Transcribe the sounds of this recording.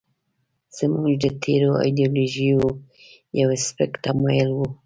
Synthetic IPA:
z̥əmuʒd̪ət̪ʰeɾoa̰jd̪ioloʒijo | jawespɪkʈ̪amajəlwu

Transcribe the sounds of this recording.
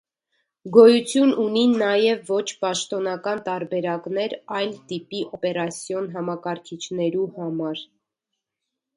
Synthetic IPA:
ɡɔjut͡sʰjununinɑjɛvːɔt͡ʃʰpɑʃt̪ɔnɑkɑnt̪ɑɾbɛɾɑknɛɾɑjlt̪ipiʔɔpɛɾɑsjɔnɦɑmɑkɑɾkʰit͡ʃʰnɛɾuhɑmɑɾ

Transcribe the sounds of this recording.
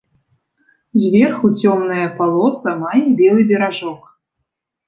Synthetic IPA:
zʲvʲɛrxut͡sʲɔmnɐjɐpalˠɔsɐmajɛbʲɛlˠɨbʲɛɾaʐɔk

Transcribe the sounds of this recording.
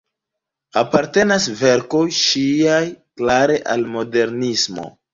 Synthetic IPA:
apaɾte̞nasve̞ɾko̞jʃiajklaɾe̞ʔalmo̞de̞ɾnismo̞̰

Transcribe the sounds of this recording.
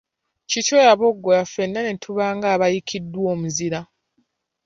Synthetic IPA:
cicojaβo̞ɡːojafe̞nːanetʰuβaːŋɡaːβajikʰidːwo̞ːmuziɾa

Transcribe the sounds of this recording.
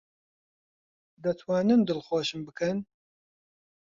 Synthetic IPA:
d̪ɐt̪ʰwɑːnɨnd̪ɨlxoːʃɨmbɨkʰɨn

